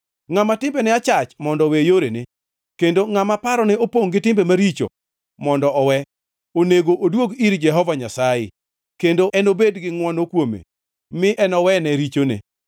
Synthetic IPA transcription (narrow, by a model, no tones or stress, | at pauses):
ŋamatɪmbɛnɛat͡ʃat͡ʃmɔndɔwejoɾene | kendoŋamapaɾɔnɛopoŋɡɪtɪmbemaɾit͡ʃo̰ | mɔndɔʔɔwɛ | oneɡoʔodwoɡiɾd͡ʒɛɦɔvaɲasajɪ̰ | kendoʔɛnobedɡɪŋwɔnokwomḛ | mɪʔɛnɔwɛnɛɾit͡ʃonḛ